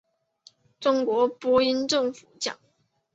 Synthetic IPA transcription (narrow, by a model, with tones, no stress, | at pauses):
ʈ͡ʂʊ˥ŋkwɔ˧˥pwɔ˥i˥nʈ͡ʂɤ˥˩ŋfu˨˩˦t͡ɕjɑ̰˨˩˦ŋ